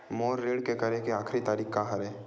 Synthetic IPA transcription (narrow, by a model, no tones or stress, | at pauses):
moːɾːeːɽkekɐɾekeaːxɾit̪aːɾiːkkaɦɐɾɛː